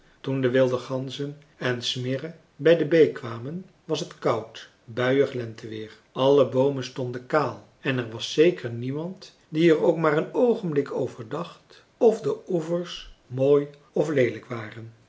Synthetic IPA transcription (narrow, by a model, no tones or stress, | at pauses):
tundəʋɪlˠdəχɑnzən | ɛnsmɪrə | bɛjdəbejkʋaːmən | ʋɑsɦətkɑwt | bœɥəχlɛntəʋɪːɹ | ɑləbowmənstɔndəkaːlˠ | ɛnɛɹʋɑsːejkʰəɹnimɑnt | diɛɹowkmaːɹənowχənblɪkʰowvəɹdɑχt | ɔfdəuvəɹsmoːj | ɔflejləkʋaːrən